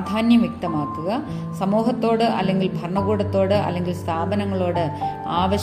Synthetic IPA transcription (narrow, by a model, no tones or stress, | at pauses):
d̪ʱaːnjɐmjek̚t̪ɐmaːkːuɣɐ | sɐmuːɦɐt̪ːo̞ːɽɨʔɐ̰lːe̞ŋɡilbʱɐrɳɐɣuːɽɐt̪ːo̞ːɽɨʔɐ̰lːe̞ŋɡilst̪ʰaːbɐnɐŋːɐɭo̞ːɽɨ | aːʋɐɕ